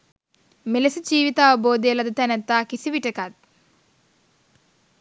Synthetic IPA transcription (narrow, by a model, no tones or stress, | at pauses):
melesəd͡ʒiːʋit̪aːʋəboːd̪ejəlɐd̪ət̪ɛnæt̪ːaːkisiʋiʈəkat̪̚